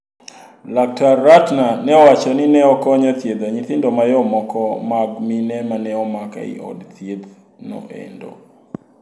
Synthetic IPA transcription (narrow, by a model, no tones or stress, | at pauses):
lak̚tarːatnanɛɔwat͡ʃɔninɛɔkɔɲat̪jed̪aɲit̪ɪndɔmajɔmɔkɔmaɡminɛmanɛɔmaka̰ḭʔɔ̰dt̪jed̪ | no̰ʔḛndo̰